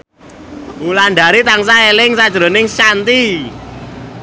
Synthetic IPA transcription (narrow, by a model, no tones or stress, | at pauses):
mulaɳɖaɾit̪aŋsaelɪŋsad̥ʒ̥ɾo̤nɪŋsant̪i